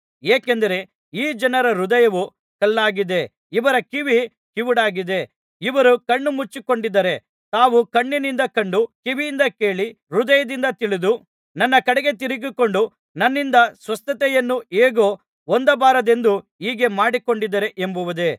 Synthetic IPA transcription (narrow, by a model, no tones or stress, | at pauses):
eːkend̪ɐɾe̞ | iːd͡ʒɐnɐɾɐɾud̪ɐjɐʋu | kɐlːaːɡid̪e̞ | iʋɐɾɐkiʋi | kiʋuɽaːɡid̪e̞ | iʋɐɾukɐɳːumut͡ʃːikoɳɖid̪ːɐɾe̞ | t̪aːʋukɐɳːinind̪ɐkɐɳɖukiʋijind̪ɐke̞ːɭi | ɾud̪ɐjɐd̪ind̪ɐt̪iɭid̪u | nɐnːɐkɐɽɛɡe̞t̪̬iɾiɡiko̞ɳɖu | nɐnːind̪ɐsʋɐst̪ɐt̪ɛjɐnːueːɡo̞ː | ond̪ɐbaːɾɐd̪e̞nd̪uiːɡe̞maːɽiko̞ɳɖid̪ɐɾe̞ʔembuʋɐd̪e̞